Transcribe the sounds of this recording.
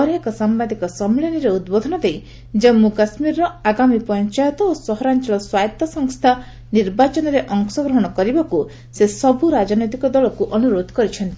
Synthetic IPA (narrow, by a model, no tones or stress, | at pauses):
ɔɾakɔsambad̪ʱikɔsɔmleniɾeud̪̚bod̪ʱɔnɔd̪ej | d͡ʒamːukasmiɾːɔaɡamipɔnt͡ʃajɔt̪ɔosɔɦɔɾant͡ʃɔlɔswajt̪ːɔsɔŋst̪ʰa | niɾbat͡ʃɔnɔɾeʔɔŋsɔɡɾɔɦɔɽ̃ɔkɔɾibaku | sesɔbʱuɾad͡ʒɔnɔjt̪̬ikɔd̪ɔlɔkuʔɔnuɾod̪ʱɔ̥kɔɾit͡ʃʰɔnt̪i